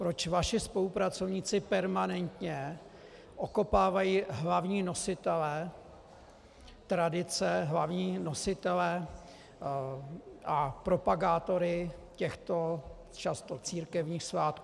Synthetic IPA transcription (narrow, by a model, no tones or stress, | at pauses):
pɾo̞t͡ʃvaʃɪspo̞lupɾat͡so̞vɲiːt͡sɪpɛɾmanɛnt̪ɲɛ | ʔoko̞paːvajiːɦlavɲiːno̞sɪt̪ɛlɛ | t̪ɾadɪt͡sɛɦlavɲiːnosɪt̪ɛlɛ | ʔapɾo̞paɡaːt̪o̞ɾɪcɛxt̪o̞ | t͡ʃast̪o̞t͡siːɾkɛvɲiːxsvaːt̪̚kuː